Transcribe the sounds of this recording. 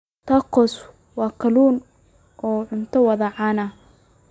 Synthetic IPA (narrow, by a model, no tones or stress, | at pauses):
t̪ʰɐqʰɔs | wɑːkʰɐluːn | ʔɔːʕʊnt̪ʰɐwɐðɐʕɑːnɐ